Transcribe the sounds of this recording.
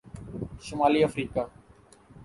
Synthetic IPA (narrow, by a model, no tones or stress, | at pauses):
ʃʊmaːliːəfɾiːkaː